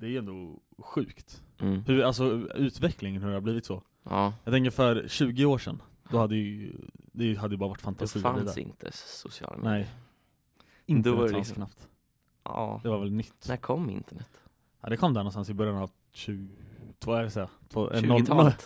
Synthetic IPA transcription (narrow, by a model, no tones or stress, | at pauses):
d̪̥ɛæɾjɵɛnd̪o | ɧʉ̟ːkt̪ːhɵals̬ɔʉ̟ːt̪vɛklɪŋənhɵɾɛhaɾbliːvɪt̪sɔ | ɑjɑt̪ɛŋkəɾfœɾɕʉ̟ːɡɪoːʂɛ̰n | d̪ɔhad̪ːəjd̪ɛjɦad̪ːjʏbɑːɾavaʈːfant̪ʰasʉːad̪ɪ̰nt̪ʰəsʊsɪɑ̰ːlam̰nɛj | ɪnd̪aknapt̪ː | d̪ɛvaɾvɛlnʏt̪ːkʰɔmːɪ̰nt̪əɳɛt̪ː | ɑ̰d̪ɛkʰɔmd̪æɾɳɔnst̪aɑnsɪbœɾjanav | ɕʉːt̪ʰːsɛjat̪ʰvo̰ːɛ̰nːɔ